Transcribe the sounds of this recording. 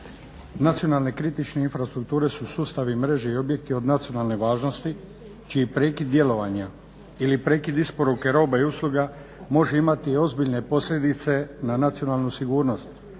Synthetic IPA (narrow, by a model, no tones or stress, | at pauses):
nat̪sio̞nalne̞kɾit̪it͡ʃne̞infɾast̪ɾukt̪uːɾe̞susuːst̪aʋimɾe̞ʒeio̞bje̞k̚t̪io̞d̪nat̪sijo̞nalˠne̞ʋaːʒno̞st̪i | t͡ʃiːpɾe̞ːkid̪d̪je̞lo̞ʋaɲa | ilipɾe̞ːkid̪ispo̞ɾuke̞ɾo̞ːbaiuslˠuɡa | mo̞ʒeimat̪io̞zbiʎne̞po̞sʎʲe̞d̪it̪se̞nanat̪sio̞nalˠnusiɡuːɾno̞st̪